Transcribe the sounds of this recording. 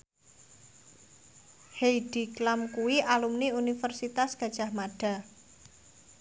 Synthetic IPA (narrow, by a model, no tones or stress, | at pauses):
hejɖ̥i̤klamkuwiʔalumniunifərsit̪asɡ̥a̤d̥ʒ̥a̤hmaɖ̥a̤